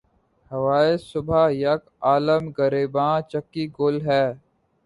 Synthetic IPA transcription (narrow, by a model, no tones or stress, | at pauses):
həʋaːɪsʊbʱajək | aːləmɡəɾiːbãːt͡ʃəkːiːɡʊlɦɛː